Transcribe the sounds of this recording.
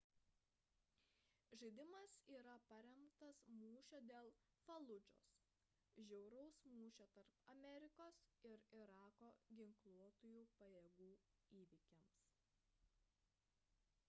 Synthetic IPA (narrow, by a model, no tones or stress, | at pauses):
ʒɐɪd̪ʲɪmɐsiːɾɐpɐɾʲɛmkt̪ɐsmuːʃʲoːd̪ʲeːlˠ | fɐlˠʊd͡ʒʲo̰ːs | ʒʲɛʊɾɐʊsmuːʃʲoːt̪ɐɾpɐmʲɛɾʲɪkoːsɪɾɪɾɑːkoːɡʲɪŋklˠuɔt̪oːjuːpɐjeːɡuː | iːʋʲɪkʲɛms